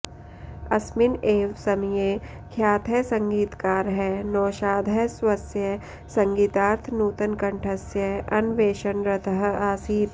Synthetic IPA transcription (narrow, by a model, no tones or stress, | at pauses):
ɐsmɪneːʋsɐmjeː | kʰjaːt̪ʰɛsɐ̃ŋɡiːt̪kaːɾɦɛːnɔːʃaːd̪ʱəswɐsjə | sɐ̃ŋɡiːt̪aːɾt̪ʰnuːt̪ənkɐɳʈʰɐsjəɐnʋeːʃənɾɐt̪ʰəɦaːsiːt̪